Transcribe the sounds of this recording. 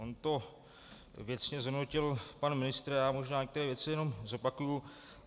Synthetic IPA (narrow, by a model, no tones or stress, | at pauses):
ont̪o̞ | vjɛt͡sɲɛzɦodnocɪlpanmɪnɪst̪ɾajaːmo̞ʒnaːɲɛkt̪ɛɾɛːvjɛt͡sɪjɛno̞mzo̞pakuju